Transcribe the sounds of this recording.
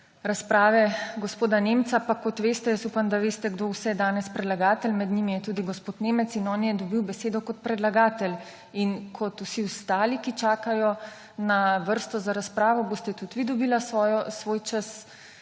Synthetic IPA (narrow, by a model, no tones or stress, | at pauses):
ɾaspɾaːʋɛɡospoːd̪anemt̪sapakɔt̪ʋeːst̪ɛjəsupamd̪aʋeːst̪ɛɡd̪owsɛjɛd̪aːnɛspɾɛd̪laɡaːt̪ɛlmɛd̪nimijɛt̪ud̪iɡospoːt̪neːmɛt̪sinɔːnjɛd̪ɔbiwbɛseːd̪ɔkɔt̪̚pɾɛd̪laɡaːt̪ɛl | inkʰɔt̪usiust̪aːlikit͡ʃaːkajɔ | naʋəɾst̪ɔzaɾaspɾaːʋɔboːst̪ɛt̪ut̪ʋid̪ɔbiːlasɔːjɔsʋoːjt͡ʃəs